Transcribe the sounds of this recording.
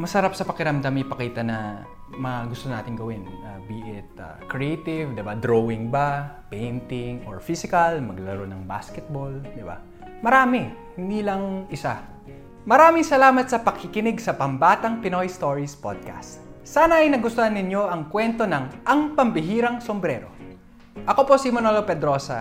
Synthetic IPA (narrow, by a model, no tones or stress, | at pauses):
mɐsɐɾapsɐpɐkɪɾɐmd̪amipɐkiːt̪ɐnɐ | mɐŋaɡʊst̪onaːt̪ɪŋɡɐwɪnɐbiːʔɪt̪̚ɐ̰kɹɛejt̪ɪvd̪ɪbad̪ɾowɪŋbapɛjnt̪ɪŋo̰ɹfisɪkɐlmɐɡlɐlɐɾonɐŋba̰skɛt̪̚bold̪ɪba̰ | mɐɾaːmɪhɪnd̪iːlɐŋʔɪsa | mɐɾaːmɪŋsɐlaːmɐt̪sɐpɐkʰɪkɪnɪɡsɐpɐmbaːt̪ɐŋpɪnojst̪oɹispod̪̚ka̰st̪̚saːnɐʔɐjnɐɡʊst̪ohɐnːɪɲjo̞ʔɐŋkwɛnt̪o̞nɐŋʔɐŋpɐmbɪɦiːɾɐŋsombɾɛːɾo̞̰ | ʔɐko̞po̞simɐnolopɛd̪ɾo̞ːsɐ